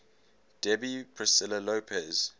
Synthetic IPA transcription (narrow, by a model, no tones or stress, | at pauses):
d̥ɛbipʰɹɪsɪləloːpʰɛz̥